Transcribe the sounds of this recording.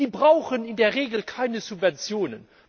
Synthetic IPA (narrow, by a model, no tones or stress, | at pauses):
iːbʁaʊxənɪndeːɐʁeːɡl̩kʰaɪnəzupvɛnt͡sjoːnə̰n